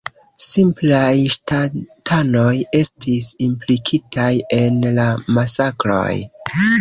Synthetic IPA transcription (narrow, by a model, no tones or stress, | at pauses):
simplajʃtatʰano̞je̞stisimplikʰitaje̞nlamasakɾo̞̰j